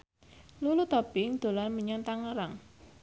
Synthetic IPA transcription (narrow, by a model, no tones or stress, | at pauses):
lulut̪ɔbɪŋd̪̥o̤lanməɲɔnt̪aŋəɾaŋ